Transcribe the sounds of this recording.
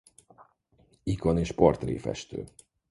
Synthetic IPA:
ikoneːʃpo̞rt̪rḛːfɛ̰ʃt̪ø̰ː

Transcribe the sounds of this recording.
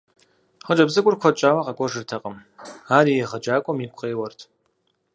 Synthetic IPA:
χəd͡ʒʼɐbzɨkʷʼʊrkʷʰɔt͡ʃʼaːwɐqʼɐkʷʼɔʐɨrtʰɐqʼəmaːɾijɛʁɐd͡ʒaːkʷʼɔmiːkʷʰʼqʼeːwɐrtʰ

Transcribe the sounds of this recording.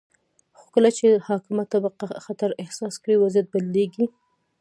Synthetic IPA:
xo̥kəlat͡ʃehɑkɪmat̪ːabaqaxat̪aɾɪhsɑskɽiwazijat̪̚balleɡi

